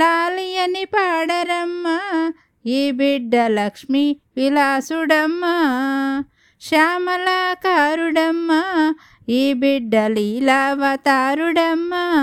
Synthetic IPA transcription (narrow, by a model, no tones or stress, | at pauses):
laːlijɐnipaːɽɐɾɐmːɐ | iːbiɖːɐlɐkʂmiʋilaːsuɽɐmːɐ | ʃaːmɐlaːkaːɾuɽɐmːɐ | iːbiɖːɐlilaːʋɐt̪aːɾuɽɐmːɐ